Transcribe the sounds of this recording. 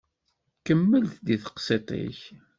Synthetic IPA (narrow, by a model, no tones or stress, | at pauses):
kəmːəlθd̪iθə̥qset̪ˤḭç